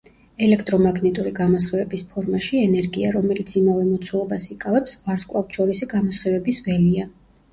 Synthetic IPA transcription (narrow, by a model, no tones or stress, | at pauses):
ɛlɛkʰt̪ʼɾɔmaɡnɛt̪ʼuɾiɡamɔs̬χɛvɛbispʰɔɾmaʃiɛnɛɾɡiaɾɔmɛlit̪sʰimavɛmɔt̪sʰwɛlˠɔbasikʼavɛpsvaɾskʼlˠafʃɔɾisiɡamɔsχɛvɛbisvɛlia